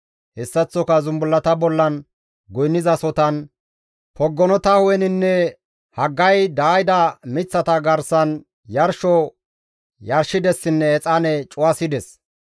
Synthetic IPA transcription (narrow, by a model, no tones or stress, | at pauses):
hɛsːɐt͡sːɔkɐzʊmbʊlːɐt̪ɐbɔlːɐn | ɡɔjnːɪzɐsɔt̪ɐn | pɔɡːɔnɔt̪ɐhɔɛnɪnːɛ | hɐɡːɐjd̪aːjd̪ɐmɪt͡sːɐt̪ɐɡɐɾsɐn | jɐɾʃɔ | jɐɾʃɪd̪ɛsːɪnːɛːt͡sʼɐnɛt͡ʃʼʊwɐsɪd̪ɛs